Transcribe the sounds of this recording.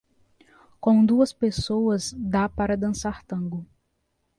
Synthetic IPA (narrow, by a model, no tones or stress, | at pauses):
kõw̃d̪uɐspesowɐzd̪apaɾɐd̪ɐ̃saɾt̪ɐ̃ɡʊ